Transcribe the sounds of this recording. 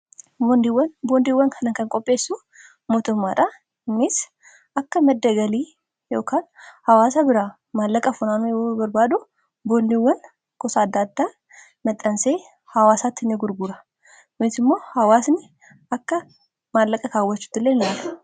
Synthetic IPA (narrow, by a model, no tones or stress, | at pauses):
bond̪ɪwːɐnboːnd̪iwːɐŋkʰɐnɐŋkɐŋkʼɔpʼːe̞ːsːu | moːt̪ʊmːaːᶑɐ | ɪmːɪs | ɐkːɐmɐd̪ːɐɡɐliː | jo̞ːkaːnhɐwaːsabɪɾaː | maːlːɐkʼɐfʊnaːmjobɐɾbaːd̪ʊ | boːnd̪iwːɐn | kɔsaːd̪ːaːd̪ːa | mɐt̪ʼːɐnseː | hɐwaːsaːt̪ːɪnːɪɡʊɾɡʊɾɐ | wɔɪsɪmːo̞ːhɐwaːsnɪ | ɐkːɐ | maːlːɐkʼːɐkaːwːɐt͡ʃːʊ̥t̪ːɪlːenɪlaːlɐ